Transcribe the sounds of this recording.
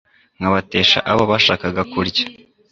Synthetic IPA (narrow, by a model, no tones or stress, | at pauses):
ŋ̥ɡaβate̞ːʃa̰ʔaβoβaʃaːkaɡakuɾɟḁ